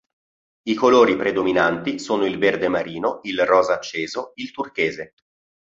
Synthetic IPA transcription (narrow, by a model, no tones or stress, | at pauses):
ikoloːɾipɾed̪ominant̪isoːnoilverd̪emaɾiːnoilrɔːzaːt͡ʃːeːzoilt̪urk̟eːze